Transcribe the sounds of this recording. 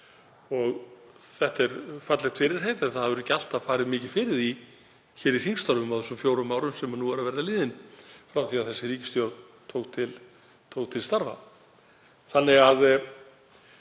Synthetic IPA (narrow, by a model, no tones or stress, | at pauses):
ɔɣ | θɛht̪ɛɾfat̪lɛxt̪ʰfɪːɾɪɾ̥ɦejt̪aθaðhaðvɛɾɛcːal̥t̪afaːɾɪðmɪːcɪ̥fɪːɾɪði | çɛːɾiθiŋst̪aɾvʏmawθɛsːʏmfjoːwɾʏmːaːwɾʏmsɛmʏnuːvaɾaðvɛɾðalɪːðɪnfɾamθiːaðθɛsːɪriːcɪ̥st̪jowɾt̪n | t̪ʰoːwkt̪ʰɪl | t̪ʰowkt̪ʰɪlst̪aɾva̰ | θanːɪɣað